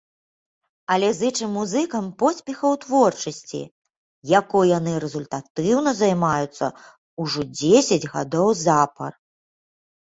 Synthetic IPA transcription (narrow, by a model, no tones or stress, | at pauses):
ɐlʲɛzɨt͡ʂɨmːuzɨkɐmpɔsʲpʲɛxɐwt̪vɔrt͡ʂɐsʲt͡sʲḭ | jakɔjjanɨɾɛzulʲt̪at̪ɨwnɐzajmajut̪sːɐ̰ | uʐɔd͡zʲesʲɐd͡zʲɣad̪ɔwzapɐ̰r